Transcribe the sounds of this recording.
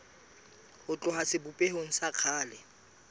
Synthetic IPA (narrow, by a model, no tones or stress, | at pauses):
hʊt͡ɬʼʊɦasɪbupʼehoŋ̩saq͡χʰaːlɪ